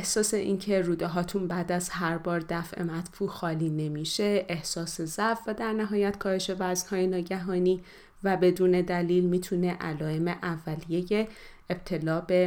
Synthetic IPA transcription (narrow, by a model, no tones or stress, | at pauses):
ehsɒːse̞ʔiːncʰe̞ɾuːd̪eɦɒːt̪ʰunbæːd̪æz̥ɦæɾbɒːɾd̪æfʔe̞̰mæt̪fuːxɒːliːne̞miʃe̞ʔehsɒːse̞zæfːæd̪æɾnæɦɒːjæt̪kʰɒːhe̞ʃe̞væznhɒːjenɒːɟæɦɒːniː | væbe̞d̪uːne̞d̪æliːlmiːt̪ʰune̞ʔæ̰lɒːe̞me̞ʔævːælije̞je̞ː | b̥̚t̪ʰe̞lɒːbe̞